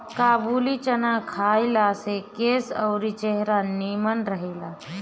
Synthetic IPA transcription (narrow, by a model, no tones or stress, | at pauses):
kaːbuːlit͡ʃɐnakʰaːilasekeːsəːɾit͡ʃeɦɾaniːmənɾəɦeːlaː